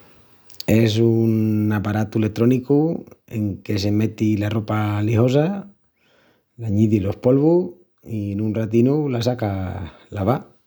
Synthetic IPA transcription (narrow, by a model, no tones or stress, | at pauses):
e̞sunapaɾat̪uele̞k̚t̪ɾo̞nikuḛŋke̞s̬e̞met̪ilaro̞palixo̞s̬a | laɲiðilo̞spo̞lβu | inunrat̪inulasaka | laβa